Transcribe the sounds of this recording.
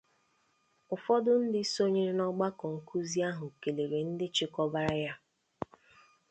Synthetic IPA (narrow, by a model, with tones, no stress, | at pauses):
ʊ˨fɔ˦dʊ˦n̩˦dɪ˦so˦ɲe˦ɾnɔ˦ɡ͡ba˦kɔ˨ŋ̩˨kʰu˦zi˦a˦ɦʊ˨ke˨le˨ɾe˨n̩˦dɪ˦t͡ʃɪ˦kɔ˦ba˦ɾa˦ja˦